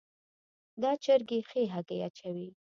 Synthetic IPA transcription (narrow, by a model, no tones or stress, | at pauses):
d̪ɑt͡ʃəɾɡexeɦaɡeat͡ʃawi